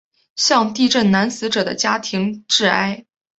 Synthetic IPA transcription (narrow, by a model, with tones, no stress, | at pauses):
ɕjɑ˥˧ŋt̪i˥˧ʈ͡ʂə˥˩nna˧˥nsɹ̩˧˥ʈ͡ʂɤ˨˩d̪ə̰˦t͡ɕja˥t̪ʰi˧˥ŋʈ͡ʂɻ̩˥˩a˥ɪ